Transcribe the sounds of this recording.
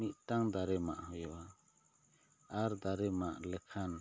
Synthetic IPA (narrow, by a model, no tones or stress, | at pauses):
mit̪̚ʈaŋd̪aɾɛma̰ʔhɔjɔʔa | aɾd̪aɾɛmaʔlɛkʰan